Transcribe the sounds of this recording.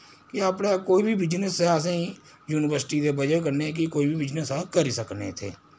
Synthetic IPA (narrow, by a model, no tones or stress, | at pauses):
kɪaːpnekoːiːbʱiːbɪd͡ʒnəsɦɛs̬ẽi | juːnɪʋəɾsʈiːd̪eːbəd͡ʒək̬əɾnek̬ikoːiːbʱiːbɪd͡ʒnəsɛːkəɾiːsəknḛːt̪ʰḛː